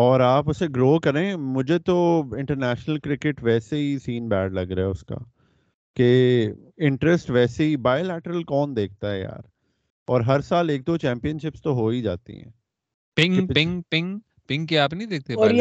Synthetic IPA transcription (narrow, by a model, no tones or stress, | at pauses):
ɔːɾaːpʊseɡɾoːkɐɾẽːmʊd͡ʒʱet̪oɪ̃ɳʈəɾnɛːʃnəlkɾɪkɪʈʋɛːseɦisiːnbɛːɖlɐɡɾɐɦɛʊska̰ː | ke | ɪ̃ɳʈɾəsʈʋɛːseɦibaːjolɛːʈəɾəlkɔːnd̪eːk̚ʰt̪aɦɛja̰ːɾ | ɔːɾɦɐɾsaːleːk̚d̪ot͡ʃɛ̃ːmpijənʃɪpst̪oɦoːid͡ʒaːt̪ḭɦɛ̰̃ː | pɪ̃ŋɪ̃ŋpɪ̃ŋ | pɪ̃ŋɡkeaːpnɐɦĩd̪eːk̚t̪ea